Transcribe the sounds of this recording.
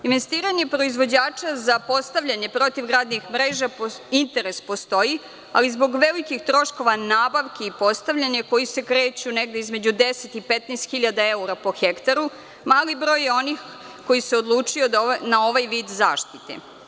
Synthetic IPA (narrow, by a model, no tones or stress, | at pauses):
inʋe̞st̪iːɾaɲe̞pɾo̞izʋo̞d͡ʑaːt͡ʃazapo̞st̪aʋʎaɲe̞pɾo̞t̪iʋɡɾaːd̪nixmɾeːʒapint̪e̞ɾe̞spo̞st̪o̞ji | a̰lizbo̞ɡʋe̞likixt̪ɾo̞ʃko̞ʋanaːbaʋkeipo̞st̪aʋʎaɲeko̞jise̞kɾeːt͡ɕune̞ɡd̪e̞izme̞d͡ʑud̪eset̪ipet̪nest̪xiʎad̪ae̞uɾapo̞xekt̪aɾu | maːlibɾo̞ːjeo̞nix | ko̞jiseod̪lˠuːt͡ʂijonao̞ʋajʋiːd̪za̰ːʃt̪it̪ḛ